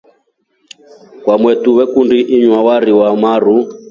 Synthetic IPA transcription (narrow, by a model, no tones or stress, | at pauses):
kwamwɛtuwɛkundiʔːɲwawaɾiwamaɾ̤u